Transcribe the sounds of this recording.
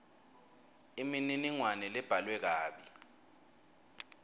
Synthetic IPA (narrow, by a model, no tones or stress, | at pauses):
imininiŋwanɛlɛb̥ʱalwɛk̬aːɓi